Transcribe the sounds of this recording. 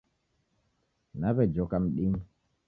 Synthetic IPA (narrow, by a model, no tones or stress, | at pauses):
naβɛd͡ʒɔkam̩ɗim